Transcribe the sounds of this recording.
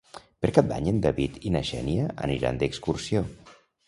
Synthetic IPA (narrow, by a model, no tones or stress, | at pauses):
pəɾkat̪̚d̪a̰ɲend̪əβit̪inaʃɛ̰niəə̰niɾa̰nd̪əkskursio